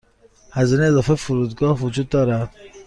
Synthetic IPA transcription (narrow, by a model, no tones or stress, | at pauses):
hæzineezɒːfefʊɾuːd̪ɡɒːhvʊd͡ʒuːd̪̚ːɒːɾæd̪̥